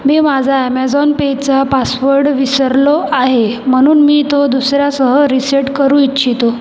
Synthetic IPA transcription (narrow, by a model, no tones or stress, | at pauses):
memad͡zʱaɛmɛd͡zɔnpet͡sapasʋəɾɖʋisəɾlɔaɦem̤əɽ̃uːnmiːt̪od̪usɾjasəɦəɾiseʈkəɾũːitːt͡ɕʰit̪o